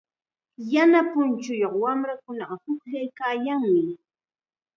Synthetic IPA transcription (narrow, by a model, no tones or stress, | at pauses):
janapʊnt͡ʃʊjoχwamɾakʊnɑɢɑhʊkʎajkaːjaŋmɪ